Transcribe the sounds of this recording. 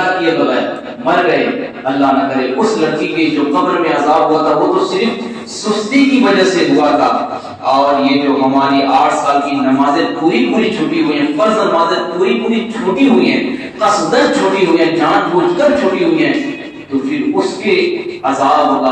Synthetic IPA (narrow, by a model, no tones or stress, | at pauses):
akiabɐɣɛːɾ | mɐɾɡɐɦe | ɐlːaɦnɐkəɾeʔʊslɐkʰːiked͡ʒoːqɐbɾmẽɐzaːbɦuat̪ʰaʋot̪osɪɾf | sʊst̪ikiʋɐd͡ʒaseɦuat̪ʰaː | ɔːɾjed͡ʒoːɦɐmaːɾiʔaːʈʰsaːlkinɐmaːzẽpuːɾipuːɾit͡ʃʰoːʈiɦuiɦɛ̃fɐɾznɐmaːzẽpuːɾipuːɾit͡ʃʰoːʈiɦʊiɦɛ̰̃ː | qɐsd̪əɾt͡ʃʰoːʈiɦuiɦɛ̃ːd͡ʒãːʈbuːd͡ʒk̪əɾt͡ʃʰoːʈiɦʊiɦɛ̃ː | t̪opʰɪɾʊskeɐzaːbɦoa